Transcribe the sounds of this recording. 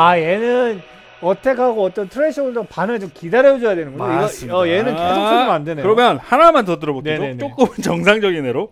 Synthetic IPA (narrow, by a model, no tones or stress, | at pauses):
aje̞nɯn | ʌtʰe̞kʰaɡoʌt͈ʌntʰɯɾeɕʰʌɡɯɭd͡ʑopanɯt͡ɕomkidaɾjʌd͡ʑʌjadwe̞nɯnɡʌiɡʌʌjenɯnkesos͈ʰʌɡomandɯnekɯɾʌmjʌnhanamantʌt̬ɯɾʌbokid͡ʑot͡ɕ͈ok͈ɯmnt͡ɕʌŋsʰaŋd͡ʑʌɡineɾo